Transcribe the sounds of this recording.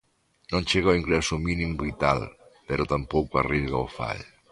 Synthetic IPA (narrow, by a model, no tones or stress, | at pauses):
nõnʲt͡ʃeɣawiŋɡɾɛsuminimβit̪a̰lpeɾot̪ampowkuarizɣaofa̰ʎ